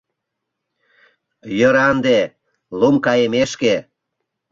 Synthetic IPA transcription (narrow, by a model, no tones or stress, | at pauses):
jəɾɑnd̪e | lumkɑjemeʃke